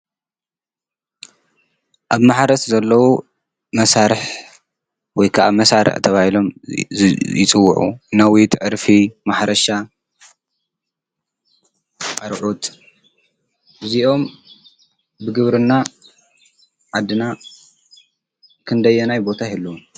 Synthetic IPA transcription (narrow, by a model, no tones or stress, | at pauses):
ʔaβmaħɾɐszɐlːɐwo | mɐsaɾɨħ | wɔjkʰaʔamɐsaɾʔɨ̰ħt̪ʰɐβahilo̞m | jɪt͡sʼɨwːʊʕṵnawit̪ʰʕɨɾfimaħɾɐʃa | ʔaɾʕut̪ | ʔɨziʔo̞m | bɨɡɨβɾɨnːa | ʕad̪ːɨna | kʰɨnd̪ɐjːɛnajbo̞t̪ʰahilːuwun